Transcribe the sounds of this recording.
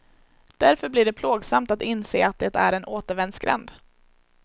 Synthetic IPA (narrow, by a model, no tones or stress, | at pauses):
d̪̥æɾfœɾbliːɖɛpʰloːɡsamt̪at̪ɪnsḛːat̪̚d̪ɛt̪æ̰ɾɛnoːt̪əɾvɛnskɾɛ̰nd̪